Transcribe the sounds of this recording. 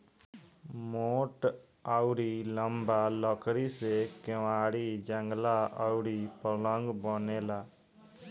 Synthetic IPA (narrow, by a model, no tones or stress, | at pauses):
moʈ | aʊɾiləmbaləkɾisekeʋaɽid͡ʒəŋɡlaəʊɾipələŋɡbənela